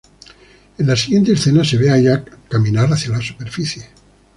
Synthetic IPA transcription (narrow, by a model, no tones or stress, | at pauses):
enlasiɣje̞nt̪esθe̞nase̞βeaʝakamĩnaɾaθjalasu̥pe̞ɾfiθje̞